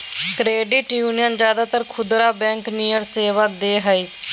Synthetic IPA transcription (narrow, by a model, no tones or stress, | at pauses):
kɾeːɖɪʈjuːnijənd͡ʒjaːd̪aːt̪əɾkʰʊd̪ɾaːbɛ̃ːŋkniːjəɾseːʋaːd̪eːɦəiː